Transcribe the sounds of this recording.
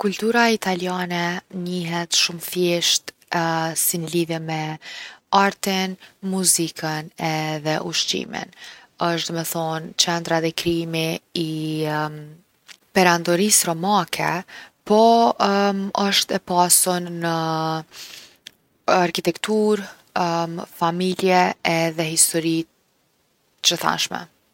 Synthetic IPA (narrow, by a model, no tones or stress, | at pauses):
kult̪uɾait̪aljanɛɲiɦɛt̪ʃumfjɛʃt̪ | sinliðjɛmɛ | aɾt̪inmuzikʰənɛðɛʔuʃtḭmḭn | əʃt̪d̪ɔmɛθɔnt͡ʃɛnd̪ɾat̪ɛkɾiimiː | pɛɾand̪ɔɾisɾɔmakʰɛpɔ | əʃt̪ɛpasunːə | aɾkit̪ɛkt̪uɾ | mfamiljɛɛðɛɦist̪ɔɾi | t͡ʃəθa̰nʃmɛ̰